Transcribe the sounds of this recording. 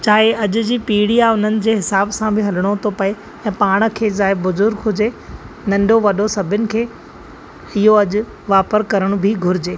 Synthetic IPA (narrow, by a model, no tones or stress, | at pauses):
t͡ɕaːɦeʔɐʄʊ̆d͡ʑiːpiːɽiaʊn̤ənɪ̆d͡ʑeːɦɪsaːbsãbʱɪɦɐləɽ̃ot̪ʰopɐe | ɛ̃ːpaːɽ̃ə̆kʰeːzaːɪbːʊzʊɾɡɦʊd͡ʑe | nɐ̃nɖʱoʋɐɗosɐbʱɪnɪ̆kʰeː | ɪɦoɐʄʊ̆ | ʋaːpəɾkɐɾəɽ̃bʱɪɡʱʊɾɪd͡ʑeː